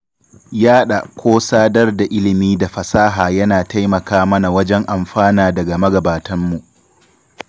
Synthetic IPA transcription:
jaː˦ɗa˨kʷʰoː˦saː˦dɐ˦rda˨ʔɪ˦lɪ˨miː˦da˨ɸɐ˨saː˦ɦaː˨jɐ˦naː˨ta˦jmɐ˨kaː˦mɐ˦na˨wɐ˦d͡ʒɛ˦ŋʔa˨mɸaː˦naː˨dɐ˨ɡa˨mɐ˦ɡɐ˨baː˨tʰɐ˦mːu˨ʔ

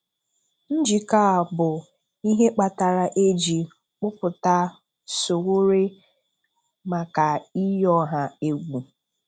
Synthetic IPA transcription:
n̩˦d͡ʒi˨ka˦˨bʊ˨ | i˦ɦe˦k͡pa˨ta˨ɾa˨ʔe˦d͡ʒi˨ | k͡pʊ˦pʊ˨ta˦ | so˨wo˦ɾe˦ | ma˨ka˨i˦jɔ˦ɦa˨e˦ɡʷu˨

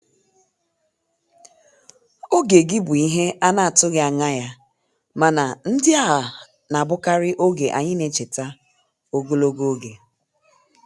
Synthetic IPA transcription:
o˦ɡe˨ɡɪ˦bʊ˨i˦ɦe˦a˦na˦˨a˨tʊ˦ɣɪ˦a˨ŋa˦ja˦ | ma˨na˨n̩˦dɪ˦a˦˨ɦa˨ | na˨bʊ˦ka˦ɾɪ˦ʔo˦ɡe˨ʔa̰˨ɲɪ˦ne˨t͡ʃe˨ta˦ | o˦ɡo˦lo˦ɡo˦ɡe˨

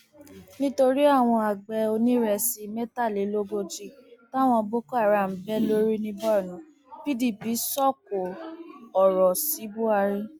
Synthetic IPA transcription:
nĩ˦to˧ɾi˦a˦˨w̃ɔ̃˧a˨ɡ͡bɛ˧o˧nĩ˦ɾɛ˧si˧mɛ˦ta˦˨le˨˦lo˦ɡo˧d͡ʒi˦˨ta˦˨w̃ɔ̃˧bo˦ko˦a˦˨ɾa˨m̩˨˦bɛ˦lo˦ɾi˦nĩ˧bɔ˦˨nũ˨˦ | pi˦di˦˨pi˨˦sɔ˦˨ko˨ɔ˨ɾɔ˨si˨˦bu˦a˧ɾi˦

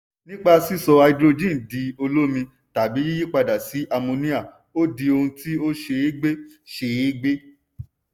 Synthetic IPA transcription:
nĩ˦k͡pa˧si˦sɔ˧a˧i˧dɾo˧d͡ʒĩ˦˨n˨di˧o˧lo˦mĩ˧ | ta˨bi˨˦i˦ji˦k͡pa˧da˨si˨˦ʔa˧mõ˧nĩ˦a˦˨ | o˦di˧o˧hũ˧ti˦o˦ʃe˧e˦ɡ͡be˦ʃe˧˨˦ɡ͡be˦

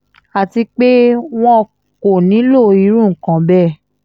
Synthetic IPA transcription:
a˨ti˧k͡pe˦w̃ɔ̃˦˧ | ko˨nĩ˨˦lo˦˨i˨˧˦ɾ̃ũ˦˨ŋ̩˨kã˨˦bɛ˦˨

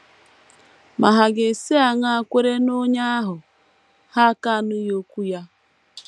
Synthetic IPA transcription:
ma˨ɦa˨ɡe˨si˦a˨ŋa˦a˨kʷe˦ɾe˦no˦ɲa˦a˦ɦʊ˨ | ha˦ka˦˨nʊ˦jo˦kʷu˦ja˦

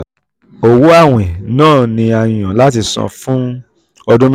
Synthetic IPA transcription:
o˨wo˦a˦˨w̃ɛ̃˨nãː˦˨nĩ˧a˨j̃ã˨la˦ti˧sɔ̰̃˧fũ˦ | ɔ˧dũ˦m

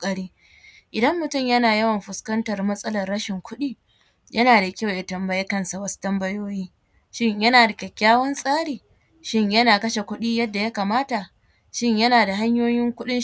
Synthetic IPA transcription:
kʼɐ˦ɽiː˦ | ʔɪ˨dɐ˦mːʊ˨tʊ˦˨mjɐ˦naː˨jɐ˦wɐ˨mɸʊ˨skɐ˦ntɐ˨rmɐ˦sʼɐ˦lɐ˨rːɐ˦ʃɪ˨ŋkʷʊ˦ɗiː˦ | jʔɐ˦naː˨da˨kʲa˦wja˨tɐ˨mbɐ˦je˦kɐ˦nsa˨wɐ˦su̥˦tɐ˦mbɐ˦joː˦jiː˦ | ʃɪ˦ɲjɐ˦naː˨da˨kʲɐ˨kʲːaː˦wɐ˦nsʼaː˦ɽiː˨ | ʃɪ˦ɲjɐ˦naː˨kɐ˦ʃe˨kʷʊ˦ɗiː˦jɐ˦dːa˨ja˦kaː˨maː˦ta˨ | ʃɪ˦ɲjɐ˦naː˨da˨ɦa˦ɲjoː˦jɪ˦ŋkʷʊ˦ɗɪ˦

